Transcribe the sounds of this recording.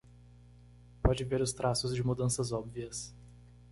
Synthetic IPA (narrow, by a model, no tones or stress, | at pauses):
pɔd͡ʒɪveɾʊst̪ɾʔasʊzd͡ʒɪmud̪ɐ̃sɐzɔbviɐs